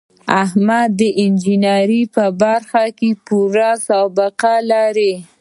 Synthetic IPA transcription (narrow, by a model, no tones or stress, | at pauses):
ahmad̪ːəʔɪnd͡ʒɪnaɾipəbaɾxakepuɾasabɪqalaɾe